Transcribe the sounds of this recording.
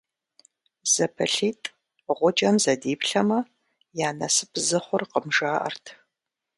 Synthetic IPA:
z̥ɐpʰɐɬiːtʼ | ʁʷʊd͡ʒɐmzɐdiːpɬɐmɐ | jaːnɐsɨpʰzɨχʷʊrqəmʒaːʔɐ̰rtʰ

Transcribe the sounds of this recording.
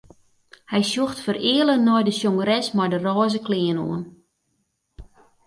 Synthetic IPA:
hɛjsjuxtfərɪəlˠənɔjdəsjoŋəɾɛsmɔjdərɔːzəklɪəno̰ən

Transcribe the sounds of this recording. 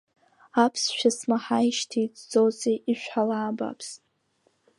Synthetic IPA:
apʰsʃᶣasmaħaiʃtʰid͡zd͡zozeʔiʃᶣʷħalaːba̰pʰstʼ

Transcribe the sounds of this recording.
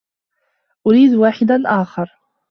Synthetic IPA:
ʔʊɾiːd̪waːħɪd̪anʔaːxɑɾˤ

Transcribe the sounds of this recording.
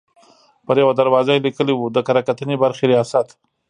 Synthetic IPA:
pəɾjawad̪aɾwɑzalikəliwud̪əkaɾakat̪ənebaɾxeɾijɑsat̪

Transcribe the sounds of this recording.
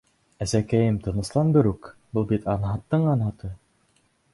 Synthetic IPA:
æzækæjɘmt̪ɤ̆nɤ̆slˠɑnbɘ̆ɾʉkbɤlˠbit̪ɑnɦɑt̪ːɤɴɑnɦɑt̪ɤ

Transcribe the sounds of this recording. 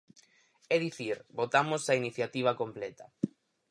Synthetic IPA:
ɛðiθiɾbot̪amʊsɐiniθjat̪iβ̞ɐkomplɛt̪ɐ̥

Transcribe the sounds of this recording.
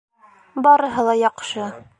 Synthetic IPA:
bɑɾɤ̆ɦɤlˠɑjɑqʃɤ

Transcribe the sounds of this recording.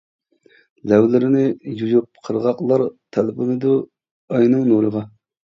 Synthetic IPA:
lɛwlɪɾɪnɪjujup̚qʰəɾʁɑqlˠɑɾt̪ʰɛlbɨnɨd̪u | ɑjnɨŋnoɾəʁɑ

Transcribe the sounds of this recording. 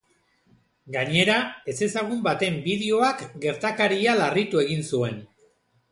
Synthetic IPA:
ɡaɲe̞ɾae̞se̞saɣ̞umbat̪e̞mbið̞e̞o̞akɡe̞ɾt̪akaɾialarit̪ue̞ɣinsue̞n

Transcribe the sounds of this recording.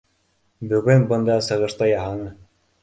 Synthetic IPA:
bɵɡɵnbɤ̆nd̪ɑsɤ̆ʁɤ̆ɾt̪ɑjɑɦɑnɤ

